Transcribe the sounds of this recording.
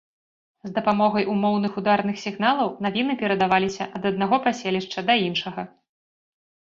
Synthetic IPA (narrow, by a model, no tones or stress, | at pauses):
zd̪ɐpamɔɣɐjʔumɔwnɨxud̪arnɨxsʲiɣn̪alˠɐwnavʲinɨpʲɛɾɐd̪avalʲisʲɐʔɐd̪ɐd̪naɣɔpasʲelʲiʂt͡ʂɐd̪ɐinʂɐɣɐ